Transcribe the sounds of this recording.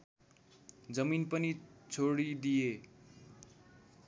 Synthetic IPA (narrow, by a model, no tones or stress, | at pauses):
d͡zʌminpʌnit͡sʰoɽid̪ije